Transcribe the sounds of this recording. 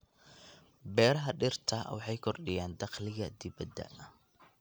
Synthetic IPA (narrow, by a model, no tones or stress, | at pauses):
bɛːɾɐɦɐɖɪrt̪ʰɐ̰wɑ̰ħɑjkʰɔrɖɪjaːnd̪ɑqlɪɣɐd̪ɪβɐd̪ːɐ̰